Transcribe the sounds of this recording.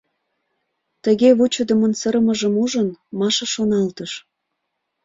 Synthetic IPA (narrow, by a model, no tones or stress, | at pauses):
t̪əɣeβut͡ɕə̆d̪ə̆mənsəɾəməʒəmuʒənmɑʃɑʃonɑlt̪əʃ